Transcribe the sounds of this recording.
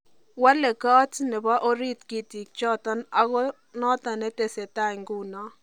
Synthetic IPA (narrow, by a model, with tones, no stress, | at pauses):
wa˦lɛ˨kɔ˦tnɛ˨ba˦ʔo˦ɾi˦t̪ki˦˨t̪i˨k̚t͡ʃɔ˦t̪ɔ˦na˦ɡɔ˦ | nɔ˦t̪a˨nɛ˦t̪e˨sɛ˨t̪a˦˨ŋɡu˦nɔ˦